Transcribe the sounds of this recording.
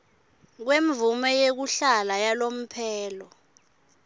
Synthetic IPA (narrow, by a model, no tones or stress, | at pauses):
k̬weɱvumɛjek̬uɬalajalom̩pʰɛːlɔ